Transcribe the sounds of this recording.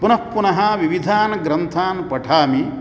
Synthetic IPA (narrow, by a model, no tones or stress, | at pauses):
punɐpːunɐɦɐ̆ʋiʋid̪ʱaːnɐɡɾɐnt̪ʰaːnpɐʈʰaːmi